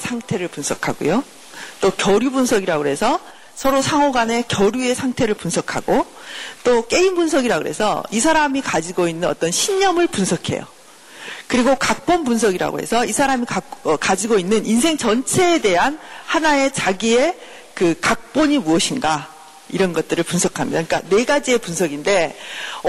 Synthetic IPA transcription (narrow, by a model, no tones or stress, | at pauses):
sʰaŋtʰe̞ɾɯɭpunsʰʌkʰa̰ɡo̰jo | t͈okjʌɾjubunsʰʌɡiɾaɡoɦe̞sʰʌ | sʰʌɾosʰaŋɦʌɡane̞kjʌɾjue̞sʰaŋtʰe̞ɾɯɭpunsʰʌkʰa̰ɡo | t͈ok͈e̞imbunsʰʌɡiɾaɡo̰ɦe̞̰sʰʌ̰isʰaɾamikad͡ʑiɡoinːɯnʌ̰t͈ʌnɕʰiɲːʌmɯɭpunsʰʌkʰe̞̰jo̰ | kɯɾiɡokak̚p͈onpunsʰʌɡiɾa̰ɡo̰ɦe̞̰sʰʌisʰaɾamikaʌkad͡ʑiɡoinːɯnins̬ʰe̞ŋt͡ɕʌnt͡ɕʰe̞ːde̞ɦanhanae̞t͡ɕaɡie̞ | kɯkak̚p͈oɲimuʌɕʰinɡa | iɾʌnɡʌt̚t͈ɯɾɯɭpunsʰʌkʰamɲidaik͈ane̞ɡad͡ʑie̞punsʰʌɡinde̞